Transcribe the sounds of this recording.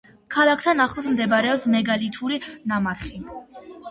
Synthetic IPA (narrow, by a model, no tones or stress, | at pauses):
kʰalˠakʰt̪ʰanaχlɔsmd̪ɛbaɾɛɔpsmɛɡalit̪ʰuɾinamaɾχi